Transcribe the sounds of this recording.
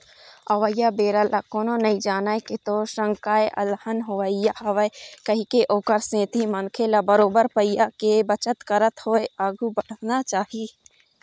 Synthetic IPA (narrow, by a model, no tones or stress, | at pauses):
ɐʋəjabeːɾəlakoːnonɐĩd͡ʒaːnaeket̪oʃə̃ŋkaːeʔɐ̰lhənɦoʋəɪjaɐʋəekɐɦikeʔoːkəɾsẽːt̪ʰimɐnkʰeːlabɐɾoːbəɾpəijːakebɐt͡ʃət̪kəɾət̪hoːeaːɡʱubɐɽ̤ənat͡ʃaːɦi